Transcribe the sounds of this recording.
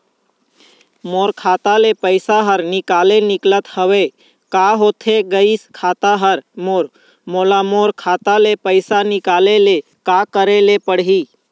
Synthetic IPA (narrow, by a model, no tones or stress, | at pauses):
moːɾkʰaːt̪alepəɪsaɦəɾnɪkaːlenɪklət̪həʋe | kaɦot̪ʰeɡəiskʰaːt̪aɦəɾmoːɾ | molamoːɾkʰaːt̪alepəɪsanɪkaːlele | kakəɾelepəɽɦi